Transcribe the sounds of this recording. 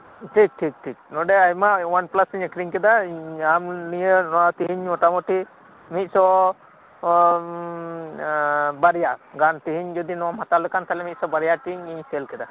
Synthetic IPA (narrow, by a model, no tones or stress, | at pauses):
ʈʰik̚ʈʰik̚ʈʰik̚nɔɖɛajmawanplasiɲɛkɾiŋkɛd̪aamnijənɔat̪iɦiɲmɔʈamɔʈi | mit̪̚sɔ | baɾijaɡant̪iɦiɲd͡ʒɔd̪inɔmɦat̪alɛkant̪ʰalɛmit̪̚sɔbaɾijaʈiɲiɲsɛlkɛd̪a